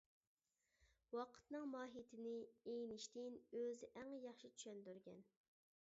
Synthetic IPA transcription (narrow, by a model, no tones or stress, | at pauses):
wɑqʰə̥t̪nɨŋmɑːɦit̪ʰɪnɪejnɪʃt̪ɪnøzɪʔæŋjɑχʃit͡ʃʰy̥ʃɛnd̪yɾɡʲɛ̰n